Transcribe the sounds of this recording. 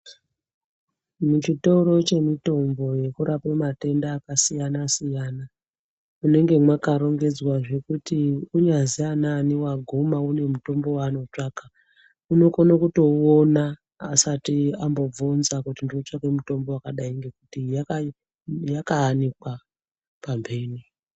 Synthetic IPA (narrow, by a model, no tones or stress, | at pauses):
mut͡ʃito̞ɾo̞t͡ʃe̞mito̞mbo̞je̞kuɾapomate̞ndaːkasijanasijana | une̞ŋɡemwakaɾo̞ŋɡe̞d͡zwaʐe̞kutiuɲazijananiwaɡʱomaune̞muto̞mbo̞wano̞t͡ʂaːka | uno̞konokuto̞onaː | satiambo̞b͡vonzakutindiot͡ʂake̞muto̞mbo̞wakaɗaiŋɡe̞kutijaka | jakaːnikwa | pambe̞ːni